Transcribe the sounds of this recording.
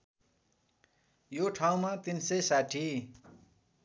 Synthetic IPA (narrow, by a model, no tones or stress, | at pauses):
joʈʰaw̃mat̪insesaʈʰi